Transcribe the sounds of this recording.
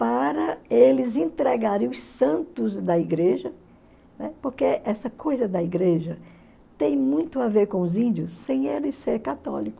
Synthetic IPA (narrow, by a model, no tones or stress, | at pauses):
paɾɐelɪzẽnt̪ɾɛɡaɾẽj̃ʊssɐ̃nt̪ʊzd̪ɐiɡɾeʒɐ | nɛpoɾkeʔɛsɐkʰojzɐd̪ɐiɡɾeʒɐ | t̪ẽj̃mũj̃t̪ʊaveɾkõʊzĩnd͡ʒ̪iʊsːẽj̃elɪseɾkat̪ɔ̰likʊ̥s